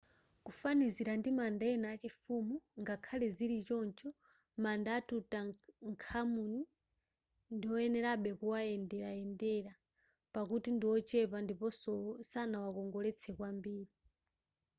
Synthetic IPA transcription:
kufaniziɾandimandaɛnaːt͡ʃifumuŋɡakʰalɛziɾit͡ʃɔnt͡ʃɔ | mandaːtutaŋkʰamuni | ndiwɔjɛnɛɾaɓɛkuwaɛndɛɾaɛndɛɾa | pakutindiwɔt͡ʃɛpandipɔsɔsanawakɔŋɡɔlɛt͡sʰɛkwambiːɾi

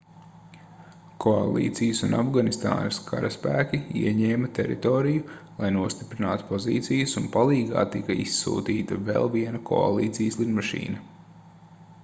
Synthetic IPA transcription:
kʰoa̰lˠḭːt̪sijəsunafɡanist̪a̰ːnɐskʰa̰ɾɐspæːkʲiḭɛɲɛːmɐt̪ɛɾḭt̪ɔːɾijulˠajnuɔst̪i̥pɾinaːt̪u̥pɔzḭːt̪sijəsunpalˠiːɡa̰ːt̪ikɐisːṵːt̪iːt̪ɐvḛlˠviɛnɐkʰɔ̰a̰lˠḭːt̪sijəslˠinmaʃḭːnɐ

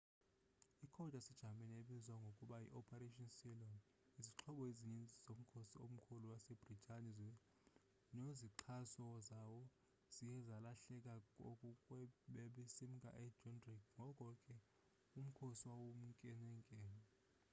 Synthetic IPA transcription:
ikʰɔd̥ʱasɛd̥ʒ̥ʱamɛneɓizwaŋɡʱokʼuɓajḭʔɔpʰaɾeʃʼɔnsilɔn | iziǁʰɔɓɔeziɲint͡sʼiz̥om̩kʰosiom̩kʰuluwasɛb̥ritʰʼaniz | neziǃʰasɔzawɔ | z̥ijɛzalaɬɛk̬ʼakʼokʼukʼwɛɓeɓisim̩kʼa̰ʔɛdʒɔndrikʰŋʱɔkʼɔkʼɛ | um̩kʰosiwawom̩ŋkʼɛnɛŋkʼɛːnɛ

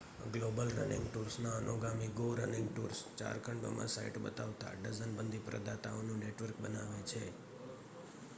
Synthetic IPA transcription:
ɡlobəlɾə̰nḭ̃ŋɡʈuɾsnaənʔoɡamiɡoɾənɪŋɡʈuɾst͡ʃa̰ɾkʰəɳɖo̰mã̰saiʈbət̪aʋt̪a̰ɖəzənbənd̪ʱipɾə̰d̪at̪aonũneʈʋəɾkbənaʋet͡ʃʰe

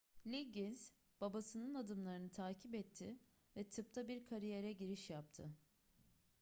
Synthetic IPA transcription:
lʲiɟinz̥ | b̥abasɯnɯnad̪ɯmlˠaɾɯnɯt̪ʰaːcʰipɛt̪ʰːɪ | vɛt̪ʰɯp̚t̪ʰabiɾkʰaɾijeɾɛɟiɾiʃjap̚t̪ʰɯ

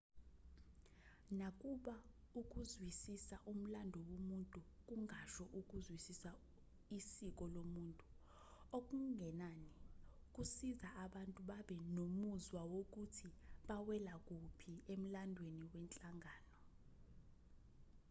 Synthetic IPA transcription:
nak̬ʼuɓa | uk̬ʼuzwisisaʔum̩landʱɔwomuntʼuk̬ʼuŋʱaʃɔʔuk̬ʼuzwisisa | isik̬ʼɔlomuːntʼu | ok̬ʼuŋɡʱɛnani | k̬ʼusizaaɓantʼuɓaɓɛnomuzwawok̬utʰiɓawɛlak̬ʼupʰiem̩landʱweniwɛnt͡ɬʼaŋʱaːnɔ

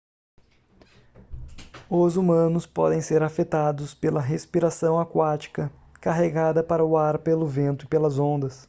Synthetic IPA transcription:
ʊzumɐ̃nʊspɔ̰d̪ẽj̃seɾafet̪ad̪ʊspelɐɦespiɾasɐ̃w̃akwat͡ʃi̥kɐ | kaɦeɡad̪ɐpaɾɐʊaɾpelʊvẽnt̪ʊɪpelɐzõnd̪ɐs

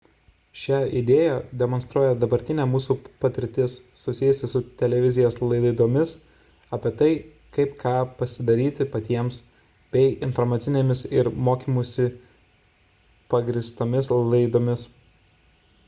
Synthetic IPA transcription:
ʃʲæːɪd̪ʲeːjæd̪ʲɛmɔnst̪ɾuɔjɛd̪ɐbɐɾʲt̪ʲɪnʲæːmuːsuːpɐt̪ʲɪɾʲt̪ʲɪsːʊsʲɪjʊsʲɪsʊt̪ʲɛlʲɛʋʲɪzʲɪjoːslˠɐɪd̪ɐɪd̪oːmʲɪs | ɑpʲiɛt̪ɐɪ | kɐɪpkʰɑːpɐsʲɪd̪ɐɾʲiːt̪ʲɪpɐt̪ʲiɛms | bʲɛɪɪnfɔɾmɑːt̪sʲɪnʲeːmʲɪsɪɾmoːkʲiːmusʲɪ | pɐɡɾʲɪst̪omʲɪslˠɐɪd̪oːmʲɪs

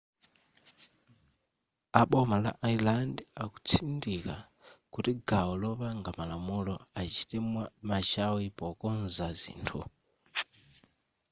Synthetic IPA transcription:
aɓɔmala̰ʔailandɛaku̥t͡sʰindika | kutiɡaɔlɔβaŋɡamalamulɔat͡ʃi̥tɛmat͡ʃawipɔkɔnzazḭːntʰṵ

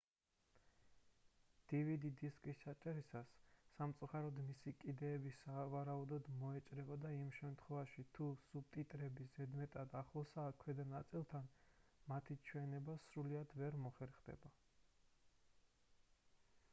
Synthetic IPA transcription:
d̪̥ivid̪id̪iskʼisːat͡ʃʼɛɾisasːamt̪sʼuχaɾɔd̪misikʼid̪ɛːbisavaɾaud̪ɔd̪mɔɛt͡ʃʼɾɛvad̪aimʃɛmt̪ʰχwɛvaʃit̪ʰusub̚t̪ʼit̪ʼɾɛbizɛd̪mɛt̪ʼad̪aχlˠɔsaːkʰwɛd̪anat̪sʼilˠt̪ʰanmat̪ʰit͡ʃʰwɛnɛbasɾuliad̪vɛɾmɔχɛɾχd̪ɛ̰ba

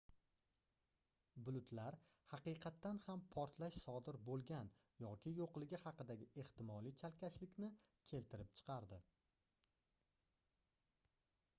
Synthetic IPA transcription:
bʊlˠʊt̪ʰlaɾhɑqɨjqʰɑt̪ːanhampʰɒɾt̪ʰlaʃsɒd̪ɪɾbolˠɡʲan | jɒkʲʰɪjoqlˠɪɡʲɪhɑqɨd̪aɡʲɪʔe̞ht̪ɪmɒlˠit͡ʃʰalkʲʰaʃlɪkʲnɪ | kʲʰe̞lt̪ʰɪɾɪpt͡ʃʰɨ̥qʰɑɾd̪ɪ

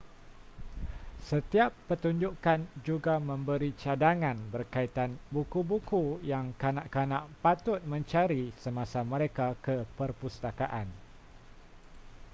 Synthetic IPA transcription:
sət̪iapːət̪uɲd͡ʒukand͡ʒuɡamə̃mbəɾit͡ʃadaŋãnbərkait̪anbukubukujaŋkanaʔkanãʔpat̪ʊt̪̚mə̃ɲt͡ʃaɾisəmãsamə̃ɾekakəpərpust̪akaʔan

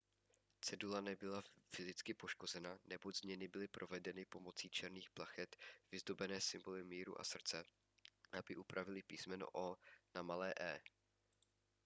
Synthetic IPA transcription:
t͡sɛdulanɛbɪlafɪzɪt͡skɪpo̞ʃko̞zɛnanɛbo̞ɟzmɲɛnɪbɪlɪpɾʔo̞vɛdɛnɪpo̞mo̞t͡siːt͡ʃɛɾniːxplaxɛt̪v̥ɪzdo̞bɛnɛːsɪmbo̞lɪmiːɾṵʔa̰sr̩t͡sɛ | ʔabɪʔupɾavɪlɪpiːsmɛno̰ʔoːnamalɛːʔɛː

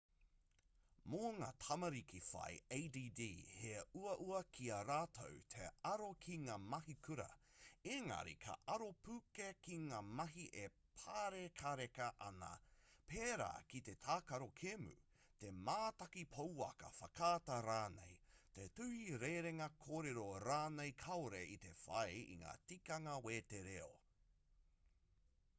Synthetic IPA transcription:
moŋaːtʰɐmɐɾikifɐ̰jeːdiːdiːheuɐʔuɐkʰiɐɾaːtʰo̰wtʰḛɐɾokʰiŋaːmɐɦikʰʉɾɐ̰eŋɐ̰ɾḭkʰɐ̰ʔɐɾopʰʉkekiŋaːmɐɦiʔe | pʰaːɾekʰaɾekɐʔɐnɐ̰peːɾa̰ːkit̪e̞t̪ʰaːkɐɾo̞kʰemʉ̰ | t̪emaːt̪ɐkipʰowɐ̰kɐ̰fɐkʰaːtɐɾaːnḛjt̪etʉhiɾeɾeŋɐkʰoːɾeɾoɾaːnejkʰɐoɾeit̪efɐ̰jḭŋa̰ːtikɐŋɐweːteɾeo̰

